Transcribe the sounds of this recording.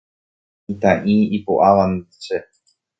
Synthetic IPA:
it̪aʔĩipoʔaʋant͡ʃe

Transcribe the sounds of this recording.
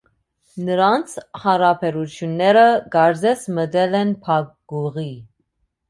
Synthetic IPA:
nəɾɑnt͡sʰhɑɾɑpʰɛɾut͡sʰjunːɛɾəɡɑɾd͡zɛsməd̪ɛlɛnpʰɑk̚ɡuʁi

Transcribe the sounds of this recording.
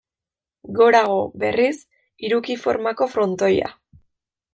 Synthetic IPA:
ɡo̞ɾaɣ̞o̞be̞̰ris | iɾukifo̞̰ɾmako̞fɾo̞nt̪o̞ja̰

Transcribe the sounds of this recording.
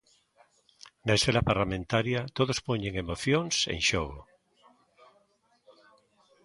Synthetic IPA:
naesθelapaɾlamẽnt̪aɾjat̪oðospoɲẽŋemoθjoŋsḛŋʃoɣ̞o̰

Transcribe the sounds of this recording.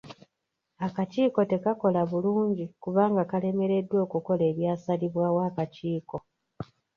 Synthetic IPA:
akaciːko̞te̞kako̞laβuluːɲɟikuβaːŋɡakale̞me̞ɾe̞dwo̞ːkuko̞le̞ːβjaːsaliβwaːwaːkaciːko̞

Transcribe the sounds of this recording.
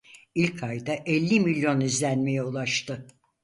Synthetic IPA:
ilʲkʰajd̪aʔɛlʲːimilʲjo̞nizlʲænme̞jɛulˠaʃt̪ɯ

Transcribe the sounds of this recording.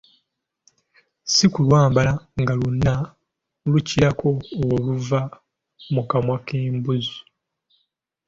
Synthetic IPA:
sikulwaːmbalaŋɡalunːa | luciɾakʰo̞oluva | mukamwakeːmbuzu

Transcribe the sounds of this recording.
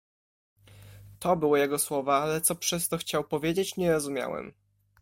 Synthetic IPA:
t̪ɔbɘwɔjɛɡɔswɔvaalɛt̪sɔpʂɛst̪ɔxt͡ɕawpɔvʲjed͡ʑet͡ɕɲɛɾɔzumʲja̰wɛ̰m

